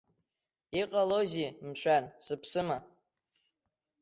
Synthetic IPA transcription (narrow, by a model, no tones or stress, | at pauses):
iqʼalozimʃʷʰʼansɨpʰsɨma